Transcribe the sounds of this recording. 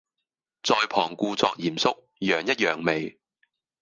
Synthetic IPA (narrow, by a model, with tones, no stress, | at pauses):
t͡sɔː˧jpʰɔː˨˩ŋkuː˧t͡sɔ̰ː˧k̚jiː˨˩msʊ˥k̚ | jœː˨˩ŋjɐ˥t̚jœː˨˩ŋme˨j